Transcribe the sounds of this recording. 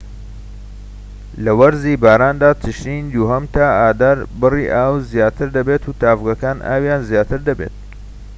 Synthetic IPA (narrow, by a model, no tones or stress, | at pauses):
lɐwɐɾziːbaːɾaːnd̪aːt̪ʰɨʃiːnd̪uɦɐmt̪ʰaːaːd̪aːɾbɨrḭʔaːwzjaːt̪ʰɨɾd̪ɐbet̪uːt̪aːvɡɐkaːnʔa̰ːwjaːnzjaːt̪ʰɨɾd̪ɐbḛt̪̚